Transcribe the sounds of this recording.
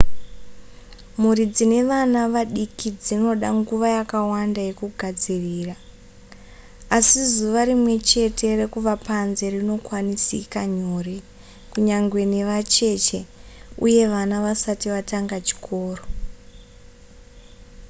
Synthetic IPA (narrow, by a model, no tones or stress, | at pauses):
murid͡zine̞ʋanaʋaɗikid͡zino̞ɗaŋɡuʋajakawandaje̞kuɡʱad͡ziriːra | asizuʋaɾimwe̞t͡ʃe̞tʰe̞re̞kuʋapanze̞rino̞kwanisḭkaɲo̞ːre | kuɲaŋɡwe̞ne̞ʋat͡ʃe̞t͡ʃe̞ṵje̞ʋanaʋasatiʋataŋɡat͡ʃi̥kʰo̞ːro